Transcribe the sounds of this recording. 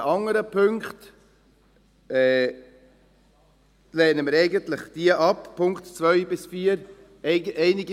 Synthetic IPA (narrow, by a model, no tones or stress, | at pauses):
ʔɑŋəɾəpʰʏŋkt | ɛː | lɛːnəmiːɾeɪɡəntlɪçd̥iːəʔɑppʰːʊŋktt͡svœʏbɪsfiːəɾ | ʔeɪnɪɡ